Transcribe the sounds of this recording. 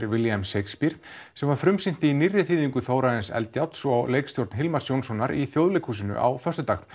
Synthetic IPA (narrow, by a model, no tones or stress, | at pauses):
ɾvɪljɛmsejkspiɾ̥ | sɛmvaɾ̥fɾʏmsɪn̥t̪ɪinirːɪθiːðiŋkʏθoːwɾaðɪnsɛ̰lt̪jawt̪sɔawleːjkst̪jowɾt̪nɦɪlmaɾ̥sjownsɔnːaɾiθjowðlejkʰuːsɪnʏ̰ʔa̰wfœrst̪ʏt̪aːɣ